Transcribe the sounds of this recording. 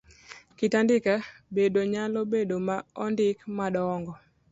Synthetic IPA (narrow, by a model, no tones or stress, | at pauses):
kɪtandɪkabedoɲalobedomaɔndɪkmadɔɔŋɡɔ